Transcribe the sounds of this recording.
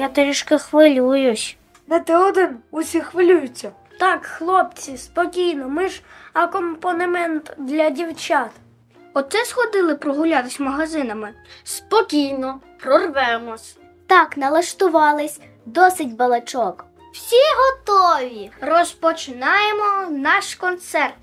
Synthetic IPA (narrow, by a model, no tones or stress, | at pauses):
jat̪eɾʲiʃkɐxʋɪlʲujʊsʲ | nɛt̪eɔd̪ɪnʊsʲixʋɪlʲujʊt͡sʲːɐ | t̪ɑkxlˠɔp̚t͡sʲispɔkʲijnɔmɪʃɐkɔmpɔnemɛnt̪d̪lʲɐdʲiwt͡ʃɑt̪ | ɔtt̪sɛsxɔd̪ɪlˠɪpɾɔɦʊlʲɑt̪ɪsʲmɐɦɐzɪnɐmɪspɔkʲijnɔpɾɔrʋɛmɔsʲ | t̪ɑknɐlˠɐʃt̪ʊʋɑlˠɪsʲ | d̪ɔsɪt̚ʲbɐlˠɐt͡ʃɔk | w̥sʲiɦɔt̪ɔʋʲirɔspɔt͡ʃɪnɑjemɔnɑʃkɔnt̪sɛrt̪